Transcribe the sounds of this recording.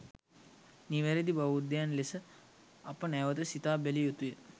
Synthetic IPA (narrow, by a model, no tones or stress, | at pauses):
niʋeɾed̪ibaʋud̪janlesə | ɐpənɛʋəd̪əsit̪aːbelijut̪ujə